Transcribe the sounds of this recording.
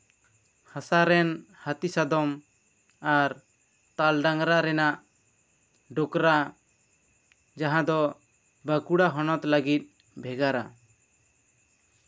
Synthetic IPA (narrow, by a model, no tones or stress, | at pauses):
hasaɾɛnhat̪isad̪ɔm | aɾ | t̪alɖaŋɾaɾɛnaʔ | ɖokɾa | d͡ʒaɦãd̪ɔ | bakuɽaɦɔnɔt̪ləɡit̪̚ˀ | bʱɛɡaɾa̰